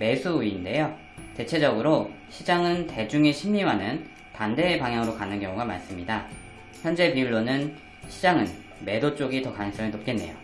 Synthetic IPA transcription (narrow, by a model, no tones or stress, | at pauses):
me̞sʰuiːnde̞jo | te̞t͡ɕʰe̞d͡ʑʌɡɯɾo | ɕʰid͡ʑaŋɯnte̞d͡ʑuŋeɕʰimːiwanɯn | pande̞ːpaŋɦjaŋɯɾokanɯnkjʌŋuɡama̰ɭs͈ɯmɲida | çjʌnd͡ʑe̞piuɭːonɯn | ɕʰid͡ʑaŋɯn | me̞dot͡ɕ͈oɡitʌkanɯŋs͈ʌŋinop̚k͈e̞nːe̞̰jo